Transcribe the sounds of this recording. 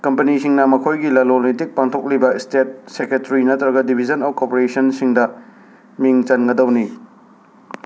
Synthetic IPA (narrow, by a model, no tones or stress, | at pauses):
kɐmpɐnisiŋnɐmɐkʰojɡilɐlonitik̚paŋtʰok̚libɐistet̚sekɾetɐɾinɐtɾɐɡɐdibʱid͡ʒɐnowkopeɾesɐnsiŋdɐ | miŋt͡ʃɐnɡɐdɐwni